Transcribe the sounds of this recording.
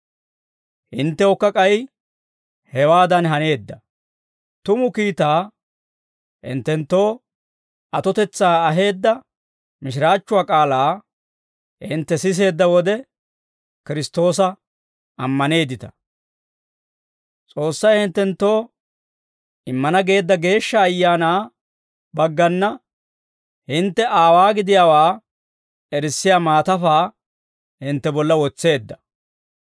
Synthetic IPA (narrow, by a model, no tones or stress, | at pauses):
hɪnt̪ːɛɔkːɐkʼɐj | hɛwaːd̪ɐnɦɐne̞ːd̪ːɐ | t̪ʊmʊkiːt̪aː | hɪ̰nt̪ːɛnt̪ːo̞ː | ɐt̪ɔt̪ɛt͡sːaːɐɦe̞ːd̪ːɐ | mɪʃ̬ɪɾaːt͡ʃːʊwaːkʼaːlaː | hɪ̰nt̪ːɛsɪs̬e̞ːd̪ːɐwɔd̪ɛ | kɪɾɪst̪o̞ːs̬ɐ | ʔɐmːɐne̞ːd̪ɪt̪ɐ̥ | t͡sʼo̞ːsːɐjhɪnt̪ːɛnt̪ːo̞ː | ʔɪmːɐnɐɡe̞ːd̪ːɐɡe̞ːʃːɐːjːaːnaː | bɐɡːɐnːɐ | hɪnt̪ːɛʔaːwaːɡɪd̪ɪjaːwaː | ɛɾɪsːɪjaːmaːt̪ɐfaː | hɪnt̪ːɛbɔlːɐwɔt͡sːe̞ːd̪ːɐ̥